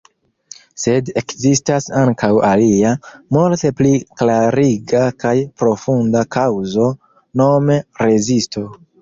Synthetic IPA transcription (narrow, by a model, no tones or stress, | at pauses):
se̞de̞kzistasaŋkʰawaliamulte̞pliklaɾiɡakajpɾo̞fundakawzo̞ | no̞me̞ɾe̞zisto̞